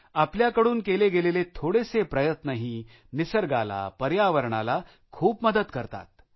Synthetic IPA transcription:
apljakəɽuːnkeleɡelelet̪ʰoɽesepɾəjət̪nəɦi | nisəɾɡa̰la̰pəɾjaʋəɾɳa̰la | kʰuːpməd̪əd̪kəɾt̪a̰t̪̚

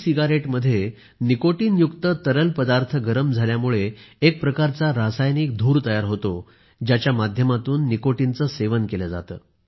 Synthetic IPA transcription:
siɡaɾeʈməd̪ʱːje | nikoʈiːnjukt̪ət̪əɾəlpəd̪aɾt̪ʰəɡəɾəmd͡zʱaljamuɭeːk̚pɾəkaɾt͡saɾasajniːk̚d̪ʱuːɾt̪əjaɾɦot̪o | d͡ʑjat͡ɕjamad̪ʱjəmat̪uːnːikoʈint͡səseʋənkeləd͡za̰t̪əː

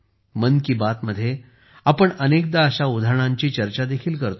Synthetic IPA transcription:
mənkiːbat̪məd̪ʱːje | apəɳənek̚d̪aəɕaud̪ʱaɳ̃ãɲt͡ɕiːt͡ɕəɾt͡ɕad̪ekʰiːlkəɾt̪o

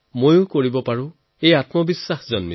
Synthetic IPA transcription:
mojʊ̃koɹibɔpaɹʊ̃ | ejatmɔbisːaxzɔnmi

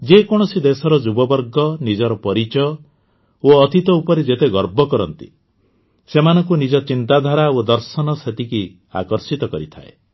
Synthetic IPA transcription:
d͡ʒekɔɽ̃ɔsid̪esɔɾɔd͡ʒubɔbɔɾɡɔnid͡ʒɔɾɔpɔɾit͡ʃɔjɔ | oɔt̪ʰit̪ɔupɔɾed͡ʒet̪eɡɔɾbɔkɔɾɔnt̪i̥ | semanɔŋkunid͡ʒɔt͡ʃint̪ad̪ʱaɾaod̪ɔɾsɔnɔset̪iki | a̰kɔɾsit̪ɔkɔɾit̪ʰa̰e

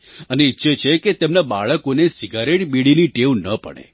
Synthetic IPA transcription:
əneitːʃet͡ʃʰeket̪emnabaɭəkonesiɡaɾeʈbiɽiniʈewnəpə̰ɽ̃ḛ

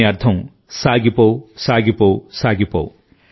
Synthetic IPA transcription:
ɐɾt̪ʰɐm | saːɡipoːsaːɡipowsaːɡipo̰ːw

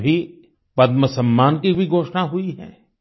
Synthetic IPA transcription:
bʱi | pɐd̪məsɐ̃mːaːnkibʱiɡʱoːʃnaɦuiɦɛ̰̃ː

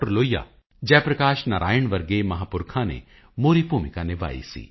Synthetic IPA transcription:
əɾloːija̰ː | d͡ʒɛːpɾɐkaːʃnaːɾʔa̰ːjəɳʋɐɾɡemɐɦaːpʊɾkʰãːnḛ | moːɾipuːmɪkãːneʋa̰ːḭsḭː

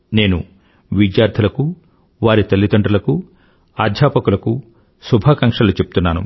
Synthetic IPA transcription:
ne̞ːnṵ | ʋidjaːɾd̪ʰʱɐlɐku | ʋaːɾit̪ɐlːid̪ɐɳɖɾɐlɐku | aːd̪ʱjaːpɐkulɐku | subʱaːkɐŋkʂɐlut͡ʃepu̥t̪unːaːnṵ

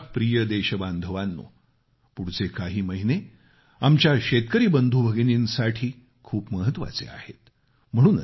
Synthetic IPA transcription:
pɾijəd̪eɕəband̪ʱəʋanːo̰ | puɽt͡sekaɦiːməɦine | amt͡ɕjaɕet̪kəɾiːbənd̪ʱubʱəɡniːnsaʈʰiː | kʰuːpməɦət̪ʋa̰t͡sḛa̰het̪ | m̤əɽ̃uːn

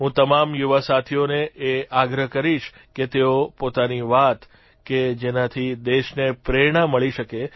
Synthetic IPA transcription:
ɦũt̪əmamjuʋasat̪ʰioneʔeaɡɾəkəɾiʃ | ket̪eopot̪aniʋat̪ | ked͡ʒenat̪ʰid̪eʃnepɾeɽ̃aməɭiʃəke

